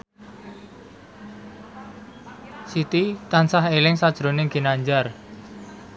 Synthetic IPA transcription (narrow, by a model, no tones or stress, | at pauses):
sit̪it̪ansahelɪŋsad̥ʒ̥ɾonɪŋɡ̥i̤naɲd͡ʒar